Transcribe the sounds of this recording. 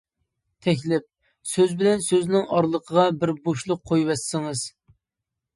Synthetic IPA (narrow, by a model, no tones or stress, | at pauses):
t̪ʰɛk̬ʲlɪp̚ | søzbɪlɛnsøznɪŋɑɾlˠəqʰəʁɑbɪɾboʃlˠʊqʰːojwɛsːɪŋɨz̥